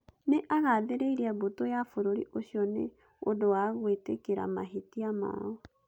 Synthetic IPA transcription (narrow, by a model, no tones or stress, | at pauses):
neʔaɣaːðeɾeiɾiabotojafoɾoɾiʔoɕiɔnḛ | odowaɣwetekeɾa̰ma̰ɦitiama̰ɔ